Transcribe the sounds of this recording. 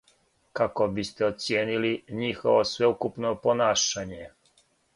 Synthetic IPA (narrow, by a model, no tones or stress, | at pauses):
kako̞bist̪eot̪sjeːniliɲixo̞̰ʋosʋe̞ukupnopo̞naːʃaɲe